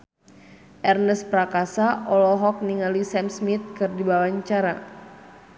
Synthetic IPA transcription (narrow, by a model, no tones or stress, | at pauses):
ʔɛrnəspɾakasaʔɔlɔɦɔk̚niŋalisɛmsmit̪̚kɨrdibawaɲt͡ʃaɾa̰